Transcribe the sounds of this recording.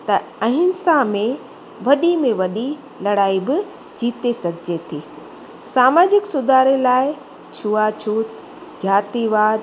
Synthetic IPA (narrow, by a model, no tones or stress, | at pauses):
t̪ɐɐ̃ɦɪnsamẽ | ʋɐɗimẽʋɐɗi | lɐɽaːibɪ | d͡ʑiːt̪esɐɡʱɪd͡ʑet̪ʰiː | saːmaːd͡ʑɪksʊd̪ʱaːɾelaːɪ | t͡ɕʰuːat͡ɕʰuːt̪ | d͡ʑaːt̪iʋaːd̪